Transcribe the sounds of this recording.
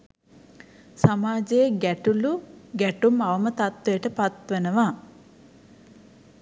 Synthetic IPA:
samaːd͡ʒejɡæʈuluɡæʈumaʋəmət̪at̪ʋejəʈəpat̪ʋenəʋa

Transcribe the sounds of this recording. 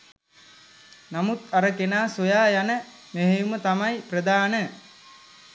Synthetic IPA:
namut̪aɾəkenaːsojaːjanə | meɦejumət̪amajprəd̪aːnə

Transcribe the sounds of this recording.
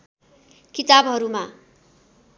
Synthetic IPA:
kit̪abɦʌɾuma

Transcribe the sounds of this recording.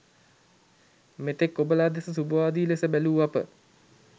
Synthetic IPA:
met̪ekːobəlaːd̪esəsubəʋaːd̪iːlesəbæluːapə̰

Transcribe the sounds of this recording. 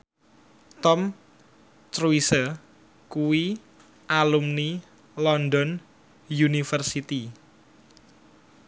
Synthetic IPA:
t̪ɔm | t̪ɾuisə | kuwi | ʔalumni | lɔnd̪ɔn | junifərsit̪i

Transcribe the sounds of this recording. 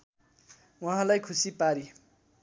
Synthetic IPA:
wʌɦãlajkʰusipaɾi

